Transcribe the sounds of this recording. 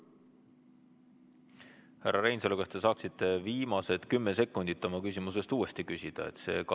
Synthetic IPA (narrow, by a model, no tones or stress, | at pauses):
hærːɑɾe̞jnselekɑst̪e̞sɑːksit̪ːˑe̞viːmɑse̞d̪̥kymːese̞kːˑund̪̥it̪ːˑo̞mɑkysʲimus̬e̞st̪uːe̞st̪ikysʲid̪̥ɑ̰ḛt̪se̞̰ːk